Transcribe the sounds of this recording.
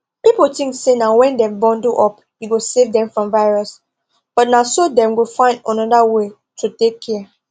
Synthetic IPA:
pipotĩŋksenawɛ̃ndɛ̃mbɔ̃nduʔɔp | jiɡosevdɛ̃ɱfɹɔ̃mvaɪɹɔs | b̥ɔt̚nasodɛ̃mɡofãɪ̃ndə̃nɔdawe | tʰutekʰːɛ

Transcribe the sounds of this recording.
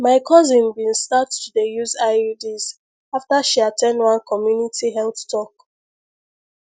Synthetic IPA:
maɪkʰɔzĩnbĩnstattudejuzaɪudiz | aftaʃiatʰɛ̃ndwãnkʰɔmjunitʰiɦɛlθtʰɔk

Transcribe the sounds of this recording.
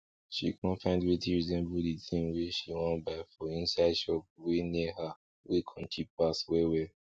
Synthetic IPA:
ʃḭkɔ̃nfãɪ̃ndwitiɹizɛ̃nbuditʰĩmwiʃiwɔ̃nbaɪfɔĩnsaɪdʃɔp̚winiha | wekʰɔ̃nt͡ʃʰipaswewe

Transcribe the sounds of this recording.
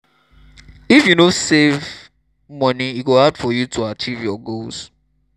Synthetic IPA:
ifjunosev | mɔniiɡohadfɔjutʰuat͡ʃivjɔɡols

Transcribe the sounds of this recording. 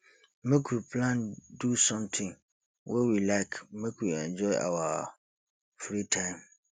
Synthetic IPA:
mẽkʰuɾpʰlãndusɔ̃mtʰɪ̃ŋ | wɛwilaɪkmẽkʰuɾɛ̃nd͡ʒɔɪʔa̰wa | fɾitʰãɪ̃m

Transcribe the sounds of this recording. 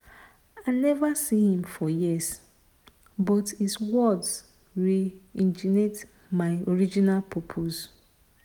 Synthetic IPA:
anɛvasihĩmfɔjis | bɔthiswɔds | ɹiĩnd͡ʒinet | maɪoɹid͡ʒinalpʰɔpʰos

